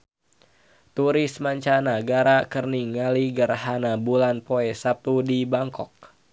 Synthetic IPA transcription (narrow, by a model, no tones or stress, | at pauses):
t̪uɾɪsmaɲt͡ʃanaɡaɾakərniŋaliɡərhanabulanpoɛsap̚t̪udibaŋkɔk̚